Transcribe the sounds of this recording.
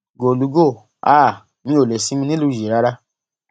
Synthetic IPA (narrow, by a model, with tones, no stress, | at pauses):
ɡo˨lu˨˦ɡo˦˨ | aː˦˨ | mĩ˧o˨le˨sĩ˨˦mĩ˧˦nĩ˦lu˦˨d͡ʒe˨ɾa˨˦ɾa˧